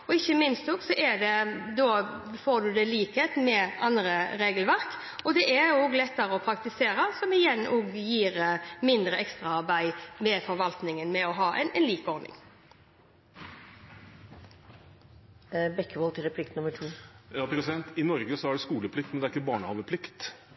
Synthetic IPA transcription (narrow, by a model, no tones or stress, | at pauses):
ɔɪçːəmɪnst̪ɔɡsɔʔæɖɛd̪oːfoːɖ̪ʉd̪ɛliːkheːt̪mɛʔɑnd̪ɾəɾeːɡəlʋæʁk | ɔd̪ɛʔæɾuːɡlɛt̪ːəɾəɔpʰɾɑk̚t̪ɪseːɾəsɔmɪjɛnːʔuːɡjiːɾmɪnd̪ɾəʔɛkst̪ɾɑɑʁbæɪmɛfɔɾʋɑlt̪nɪŋənmɛɔɦɑːʔɛ̰nɛnliːkɔɾnɪ̰ŋ | bɛkːəʋɔlt̪ʰɪɾɛpʰlɪkt̪nʊmːəʈʰuːjɑːpʰɾɛsɪd̪ɛnt̪ɪnɔɾɡəsɔæɖɛskuːləpʰlɪk̚t̪mɛnd̪ɛɾɪkːəbɑːɳəhɑːʋəpʰlɪkt̪